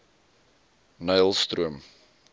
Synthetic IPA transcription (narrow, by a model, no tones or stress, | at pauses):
nœjlˠst̪ruəm